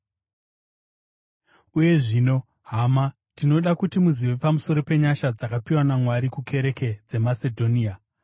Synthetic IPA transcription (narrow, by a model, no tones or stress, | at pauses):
uje̞ʐiːno̞ | ɦama | tino̞ɗakutimuziʋe̞pamuso̞ɾo̞pe̞ɲaʃad͡zakapiwanamwaɾikukʰe̞ɾe̞ke̞d͡ze̞mase̞dʱo̞nia